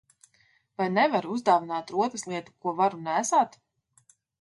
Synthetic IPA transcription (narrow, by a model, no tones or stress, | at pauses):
vajnɛvaɾuzd̪aːvinaːt̪ɾuɔt̪aslˠiɛt̪u̥kuɔvaɾunæːsaːt̪